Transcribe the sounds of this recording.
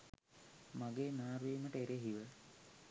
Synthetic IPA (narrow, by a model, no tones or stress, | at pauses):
maɡeːnaːɾʋiːməʈəeɾeɦiʋə